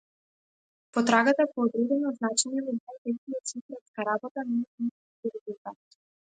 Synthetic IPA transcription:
pɔt̪ɾaɡat̪apɔːd̪ɾud̪ɛnɔznat͡ʃɛɲɛnad̪nant̪ɛxniɔt̪sikɾɔt̪skaɾabɔt̪anɛat̪is | k̪iɾɛzulˠt̪at̪

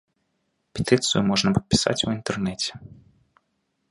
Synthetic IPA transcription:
pʲɛt̪ɨt̪sɨjʊmɔʐnɐpɐ̥t̪̚pʲi̥sa̰t͡sʲuint̪ɛrnɛt͡sʲɛ̥

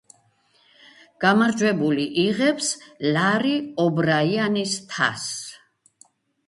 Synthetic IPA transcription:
ɡ̥amaɾd͡ʒwɛbuliʔiʁɛpslaɾiɔbɾaianist̪ʰa̰s

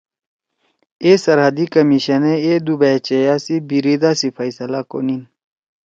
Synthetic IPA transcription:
esɐɾɦɐd̪ikɐmiɕɐneed̪ubat͡ɕejasibiɾid̪aːsifɐisɐlako̰nin

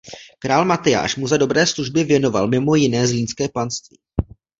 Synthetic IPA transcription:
kɾaːlmat̪ɪja̰ːʃmuzado̞bɾɛːsluʒbɪvjɛno̞va̰lmɪmo̞jɪnɛːzliːnskɛːpanst̪vḭː

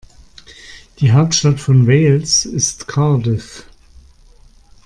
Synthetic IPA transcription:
d̥iːɦaʊp̚tʃtatfɔnveːlsɪstkʰadɪf

